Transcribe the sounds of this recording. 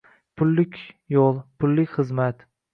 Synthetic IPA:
pʰʊlːɪkʲjɒlˠpʰʊlːɪkʲχɨzmat̪

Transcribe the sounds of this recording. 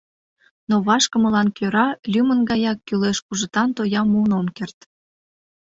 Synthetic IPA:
noβɑʃkəməlɑnkøɾɑlʲymənɡɑjɑkːyleʃkuʒət̪ɑnt̪ojɑmunomkert̪

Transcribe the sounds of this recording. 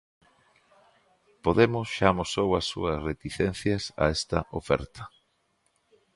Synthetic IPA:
poðemʊsʃamosowɐsːṵɐsret̪iθen̟θjɐsa̰ɛst̪ɐ̰ʔo̰fɛ̰ɾt̪ɐ̥

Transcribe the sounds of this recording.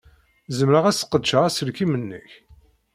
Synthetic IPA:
zəmɾəʁæsə̥qːəd̪ʃəʁæsəlkimənːə̰ç

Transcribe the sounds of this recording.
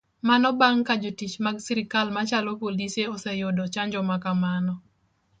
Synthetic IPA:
manɔbaŋkad͡ʒotit͡ʃmaɡsiɾikalmat͡ʃalɔpoliseɔsɛjɔdɔt͡ʃaɲd͡ʒɔmakamanɔ

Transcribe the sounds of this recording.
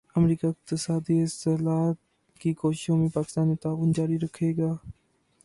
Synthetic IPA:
əmɾiːkaːɪq̚t̪ɪsaːd̪iɪsəlaːt̪ | kikoːʃɪʃõmẽpaːkɪ̥st̪aːnit̪aːʋʊnd͡ʒaːɾiɾəkʰːeːɡaː

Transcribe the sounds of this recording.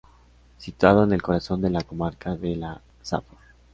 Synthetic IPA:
sit̪wað̞o̞ene̞lko̞ɾaso̞nd̪e̞lako̞maɾkaðe̞la | sa̰pol

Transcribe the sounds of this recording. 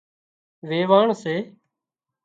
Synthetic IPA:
ʋeːʋaːɳseː

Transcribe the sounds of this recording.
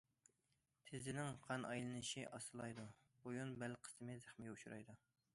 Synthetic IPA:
t̪ʰɪzɪnɪŋqʰɑnʔɑjlˠɨnɨʃiʔɑsɨlˠɑjd̪u | bojunbælqʰə̥smɪzæχmɪɡʲɛuʃuɾɑ̰jd̪u

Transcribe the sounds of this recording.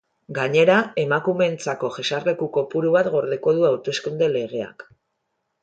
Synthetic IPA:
ɡaɲe̞ɾae̞makume̞nt͡sako̞ʝe̞sarle̞kuko̞puɾuβat̪ɡo̞ɾðe̞ko̞ðuawt̪o̞skund̪e̞le̞ɣ̞e̞a̰k

